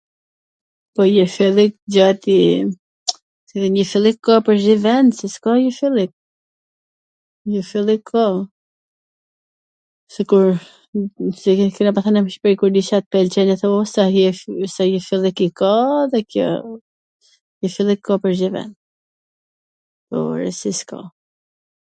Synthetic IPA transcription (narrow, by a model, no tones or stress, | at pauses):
pɔjɛfilˠik̚d͡ʒat̪i | iðiɲəfilˠikʰːɔpəɾʒivɛnsɛskɔjɛfilˠik̚ | jɛfilˠikʰːɔ | sikuɾ | sikɔnɛpaθanɛmʃpɾikuɾd̪iʃat̪̚pɛlt͡ʃɛnɛθɛɔsasajəfilˠikikɔðɛkʰjɔ̰ | jəfilˠikʰːɔpəɾzivɛ̰n | pɔ̰ɾɛ̰siskɔ̰